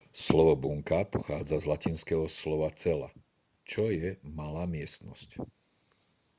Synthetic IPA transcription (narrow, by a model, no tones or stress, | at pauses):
slɔʋɔbuŋkapɔxaːd͡zazlacinskɛɦɔslɔʋat͡sɛla̰ | t͡ʃɔjɛmalaːmɪɛst̪nɔsc